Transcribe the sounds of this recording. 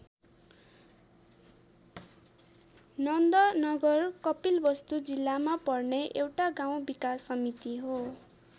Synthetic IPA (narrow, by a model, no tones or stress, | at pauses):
nʌnd̪ʌnʌɡʌrkʌpilbʌst̪ud͡zilːamapʌrneʔewʈaɡaw̃bikasːʌmit̪iɦo